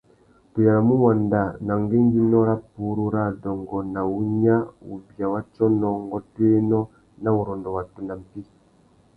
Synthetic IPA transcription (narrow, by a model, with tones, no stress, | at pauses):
tu˨ja˨ɾa˨mu˦wa˨nda˨na˨ŋɡe˦n˦d͡ʒi˦nɔ˦ɾa˦p̚u˨˦ɾu˦ɾa˦˨dɔ˨ŋɡɔ˨na˨u˦ɲa˦ṵ˨vja˨wa˦t͡ʃɔ˦nɔ˨ŋɡɔ˦twe˦nɔ˦ | na˦u˨ɾɔ˨ndɔ˨wa˨tu˨na˨m̩˨pi˦